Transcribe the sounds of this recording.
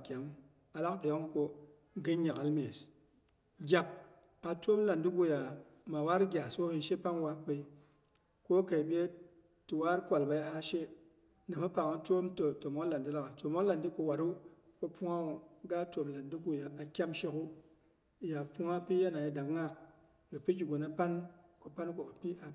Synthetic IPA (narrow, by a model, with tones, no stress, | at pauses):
kʲa˨m˦ | a˨la˦kdo˨jo˦ŋ˦ko˨ | ɡi˦nɲa˨ka˨lme˨s | ɡʲa˨p̚ | a˨to˦mla˨ndi˦ɡu˨ja˨ | ma˨wa˦ɾɡʲa˨so˦hi˨nʃe˦pa˦ŋwa˦ke˨i˦ | ko˦ka˨ɓe˦ | ti˨wa˦ɾkʷa˨lba˨ja˨ha˦ʃe˦ | nɨ˨ma˦pa˨ŋa˦to˦mto˨to˨mo˦n˦la˨ndi˦la˨ka˨to˨mo˦nla˨ndi˦ko˨wa˨ɾu˦ | ko˦pu˦ŋa˦u˨ɡa˦to˨mla˨ndi˦ɡu˨ja˨a˨kʲa˦mʃe˧˦ku˦˨ | ja˨pu˦ŋa˦pi˦ja˦na˨ji˦da˨kŋa˦k̚ | ɡa˨pi˦ki˨ɡo˨na˦pa˦nko˨pa˦nko˨ka˨pi˦ʔa˨